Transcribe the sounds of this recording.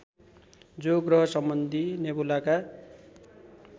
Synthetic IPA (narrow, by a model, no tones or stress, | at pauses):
d͡zoɡrʌɦʌsʌmbʌnd̪ʱinebulaka